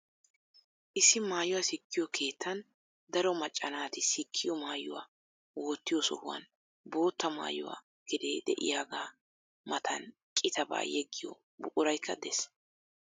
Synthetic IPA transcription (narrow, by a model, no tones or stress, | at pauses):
ʔɪsːɪmaːjʊwasɪkːɪjɔkʰe̞ːt̪ʰːɐn | d̪ɐɾɔmɐt͡ʃʼːɐnaːt̪ɪsɪkʰːɪjɔmaːjʊwa̰ː | woːt̪ːɪjɔsɔ̰hʊwɐ̰n | bo̞ːt̪ːɐma̰ːjʊ̰wa̰ː | ɡ̥ɪd̪eːd̪ɛ̰ʔɪ̰jaːɡaː | mɐt̪ʰɐ̰n | kʼɪt̪ɐba̰ːjɛɡːɪjɔ̰ | bʊʔʊɾɐjkʰːɐd̪ɛs